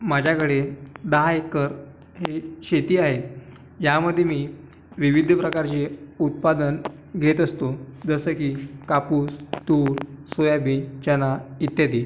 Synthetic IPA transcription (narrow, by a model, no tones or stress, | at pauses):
mad͡ʑʱjakəɽed̪əɦaekːəɾ | ɦeɕet̪iːaɦet̪ | jaməd̪ʱːjemiː | ʋiʋid̪ʱəpɾəkaɾt͡ɕeut̪̚pad̪ən | ɡʱet̪əst̪od͡zəsəːkiːkapuːst̪uːɾsojabit͡ɕənait̪jad̪i